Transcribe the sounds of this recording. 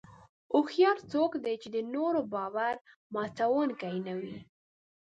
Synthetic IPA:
ʊxjɑɾt͡sokd̪et͡ʃed̪ənoɾobɑwaɾ | mɑt͡sawonkajnawi

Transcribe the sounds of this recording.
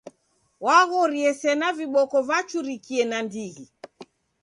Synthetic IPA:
waɣɔɾiɛsɛnaviɓɔkɔvat͡ʃuɾikiɛnandiɣi

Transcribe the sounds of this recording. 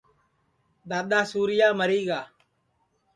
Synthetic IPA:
ɗ̪aːɗ̪aːsuːɾɪjaːməɾiːɡaː

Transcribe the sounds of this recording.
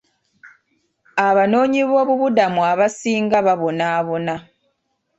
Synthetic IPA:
aβano̞ːɲiβo̞ːβuβudamuaβasiːŋɡaβaβo̞naːβo̞na

